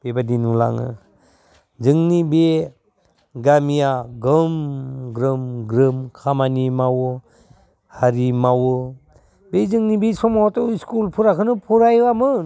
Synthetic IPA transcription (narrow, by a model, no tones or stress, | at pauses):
b̥ebadinula̰ŋɯ̰ | zɯŋnibe | ɡamijaɡɯmɡɾɯmɡɾɯmkʰamanimawɯ | haɾimawɯ | bezɯŋnibesɔmawatɔskulpʰuɾakʰɯnɯpʰuɾajwamɯ